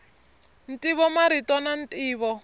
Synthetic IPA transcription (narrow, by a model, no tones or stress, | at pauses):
n̩tʼiβɔmaɾitʼɔnan̩tʼiːβɔ